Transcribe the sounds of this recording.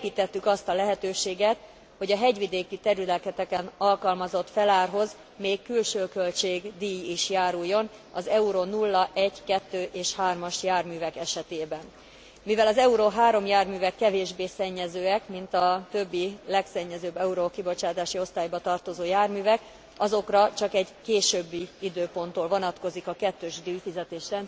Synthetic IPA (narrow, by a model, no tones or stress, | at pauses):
eːpiːt̪ɛt̪ːykɒst̪ɒlɛɦɛt̪øːʃeːɡɛt̪ | ho̞ɟɒɦɛɟʋid̪eːkit̪ɛɾyd̪ɛlkɛt̪ɛkɛnɒlkɒlmɒzo̞t̪fɛlaːrɦo̞z | meːkːylʃøːkølt͡ʃeːɡd̪iːjiʃjaːɾujːo̞n | ɒzɛuɾonulːɒʔɛɟkɛt̪ːøːʔeːʃhaːrmɒʃjaːrmyːvɛkɛʃɛt̪eːbɛn | mivɛlɒzɛuɾoɦaːɾo̞mjaːrmyːvɛkːɛveːʒbeːsɛɲːɛzøːɛkmint̪ɒt̪ø̞bːilɛksɛɲːɛzøːbːɛuɾokibo̞t͡ʃaːt̪aːʃio̞st̪aːjbɒt̪ɒrt̪o̞zoːjaːrmyːvɛk | ɒzo̞krɒt͡ʃɒkɛɟkeːʃøbːiid̪øːpo̞nt̪oːlvo̞nɒt̪ko̞zikɒkɛt̪ːøːʒd̪iːjfizɛt̪eːʃrɛn